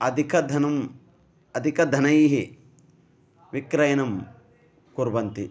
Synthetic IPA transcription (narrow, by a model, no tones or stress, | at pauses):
ɐd̪ʱikʰɐd̪ʱɐnɐm | ɐd̪ʱikɐd̪ʱɐnɐjɦi | ʋikɾɐjɐnɐm | kuɾbɐnt̪i